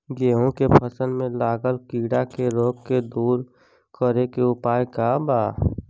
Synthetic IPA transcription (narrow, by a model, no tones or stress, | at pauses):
ɡeːɦõkepʰəsə̃nmẽlaːɡəlkiːɽakeɾoːkked̪uːɾ | kəɾekeʊpaːjkabaː